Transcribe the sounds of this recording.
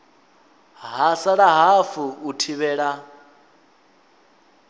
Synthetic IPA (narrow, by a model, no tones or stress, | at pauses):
ɦasaɺaɦafuutʰiβɛːɺa